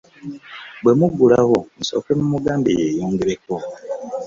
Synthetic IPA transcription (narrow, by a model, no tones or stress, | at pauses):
bwe̞muɡulaɣon̩so̞̰kemumuɡaːmbejeːjoːŋɡeɾeko